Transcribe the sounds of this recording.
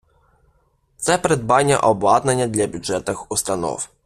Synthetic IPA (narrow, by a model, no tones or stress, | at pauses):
t̪sɛpɾɛd̪̚baɲʲɛ̰ʔɔbwad̪naɲad̪lʲabʲjudʐɛt̪axust̪anɔ̰f